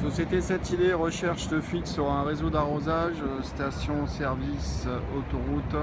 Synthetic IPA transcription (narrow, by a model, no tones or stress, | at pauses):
sɔsjet̪esɛt̪id̪eʁəʃɛʁʃd̪əfɥit̪səʁaɛ̃ʁezod̪aʁozaʒst̪asjɔ̃sɛʁvisot̪ɔʁut̪